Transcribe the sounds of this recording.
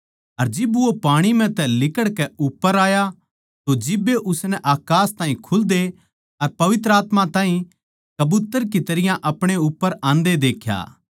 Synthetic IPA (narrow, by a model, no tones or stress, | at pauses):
ɐɾd͡ʒɪbuopaːɽ̃im̤ɛ̃t̪ɛlɪkəɽkɛʊpːəɾaːja | t̪od͡ʒɪbːeʔʊsnɛʔaːkaːst̪ãːĩkʰʊld̪e | ɐɾpɐʋɪt̪ɾəaːt̪mãt̪ãːɦĩ | kɐbut̪ːəɾk̬it̪ɐɾɪjãʔɐpɽ̃eʊpːəɾãːnd̪ed̪eːkʰja̰ː